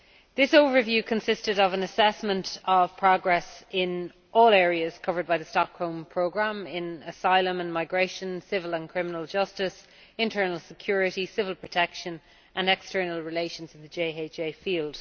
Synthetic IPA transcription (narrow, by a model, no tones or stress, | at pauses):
ðɪsoʊvə˞vjʉːkʰə̃nsɪstɪɾəvə̃nəsɛsmə̃ntʰəv̥pʰɹ̥ɔɡɹɛsɪ̃n | ʔɔːlɛːɹiəz̥kʰʌvə˞d̚baɪðəstɑkholˠmpʰɹ̥oʊɡɹãmɪ̃nəsaɪlə̃mə̃nmaɪɡɹeɪʃə̃nsɪvələ̃nkʰɹ̥ɪ̃mənəlˠd͡ʒʌstɪs | ɪ̃ntʰɜ˞nəlˠsɪkʰj̥ɔːɹɪɾisɪvəlˠpʰɹ̥ətʰɛkʃə̃n | ʔə̃nɛkstɜː˞nəlˠɹɪleɪʃə̃nzwɪ̃ðəd͡ʒeɪeɪt͡ʃeɪfiːlˠd̥